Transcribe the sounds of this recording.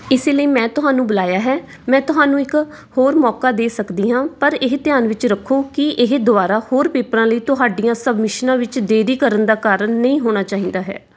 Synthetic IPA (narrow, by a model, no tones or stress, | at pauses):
ɪseːləiːmɛ̃ːt̪ʊɦaːnũːbəlaːjaːɦɛː | mɛ̃ːt̪ʊɦaːnũːɪk | hoːɾmɔːkaːd̪eːsəkd̪iːɦãːpəɾɪɦt̪ɪjaːnʋɪt͡ʃɾəkʰːoːkɪʔɪɦd̪ʊaːɾaːhoːɾpeːpɾãːləiːt̪ʊɦaːɖijãːsəbmɪʃnãːʋɪt͡ʃd̪eːɾiːkəɾənd̪aːkaːɾənːəĩːɦoːɽaːt͡ʃaːɦĩːd̪aːɦɛ̰ː